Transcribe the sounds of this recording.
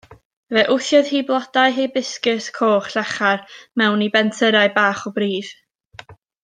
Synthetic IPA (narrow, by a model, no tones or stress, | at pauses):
vɛʔʊθjɔð̥hiːblˠɔdaɨɦibɪskɪskʰoːχɬɛχarmɛwnibɛntʰəɾaɨbaːχɔbɾiːð̥